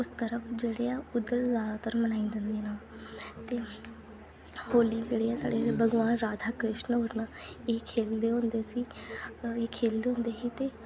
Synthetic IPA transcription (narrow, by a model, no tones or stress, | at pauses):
ʊst̪əɾəpʰd͡ʒeːɽeːaːʊd̪əɾzaːd̪aːt̪əɾmənaːĩnd̪ɪnd̪enaːlt̪eː | hoːliːd͡ʒeːɽeːaːsa̰ːɽeːbʱəɡʋaːnɾaːd̪ʱaːkɾɪʃnɦoɾnaeːkʰeːld̪eːɦõːnd̪eːsiː | eːkʰeːld̪eːɦõːnd̪eːɦiːt̪eː